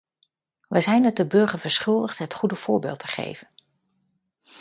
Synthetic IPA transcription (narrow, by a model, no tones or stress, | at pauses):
ʋəjzɛjndət̚dəbøɹχəɹvəɹsχʏlˠdəχtɦətχudəv̥ʊːɹbɪ̰ːlˠtʰə̥χḛjv̥ən